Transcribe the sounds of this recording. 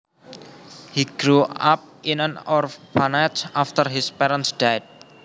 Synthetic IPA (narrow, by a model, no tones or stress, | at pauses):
hiɡ̥ɾuap̚ʔinənɔrfbanat͡ʃaft̪ərɦispɛɾə̃nsd̥ad̚